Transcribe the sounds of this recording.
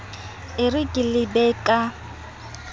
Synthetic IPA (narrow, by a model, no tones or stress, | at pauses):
ɪrɪkʼɪlɪbɛkʼa